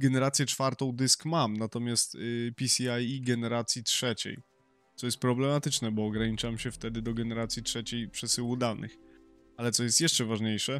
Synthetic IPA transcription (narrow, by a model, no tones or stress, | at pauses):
ɡɛnɛɾat̪sjɛt͡ʂfaɾt̪ɔ̃w̃d̪ɘskmamnat̪ɔmʲjast̪pʲisʲiajiɡɛnɛɾat̪sʲjitʂɛt͡ɕɛ̰j | t̪sɔjɛst̪pɾɔblɛmat̪ɘt͡ʂnɛbɔːɡɾaɲit͡ʂamɕɛft̪ɛd̪ɘd̪ɔɡɛnɛɾat̪sʲjitʂɛt͡ɕejpʂɛsɘwud̪anʔɘ̰x | alɛt̪sɔjɛst̪jɛʂt͡ʂɛvaʐɲejʂɛ